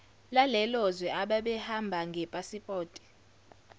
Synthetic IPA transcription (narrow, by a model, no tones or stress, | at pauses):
lalɛlɔzwɛaɓaɓɛhambʱaŋɡʱɛpʼasipʼɔːtʼi̥